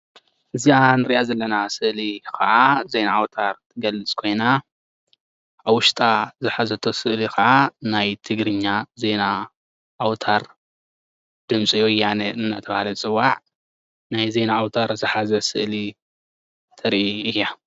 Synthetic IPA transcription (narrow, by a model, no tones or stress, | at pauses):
ʔɨzianɨɾiʔazɐlːɐnasɨʔlikʰɐʔazejnaːwt̪ʰaɾt̪ʰɨɡɐlɨt͡sʼkʰo̞jna | awʊʃt̪ʼazɨħazɐt̪ʰo̞sɨʔlikɐʕanajt̪ʰɨɡɾɨɲːaze̞na | ʔːwt̪ʰaɾ | d̪̥ɨmsʼijojaneɨnːat̪ʰɐβahalɐt͡sʼɨwːaʕ | najze̞naːwt̪ʰaɾzɨħazɐsɨʔli | t̪ʰɐɾʔiɨjːa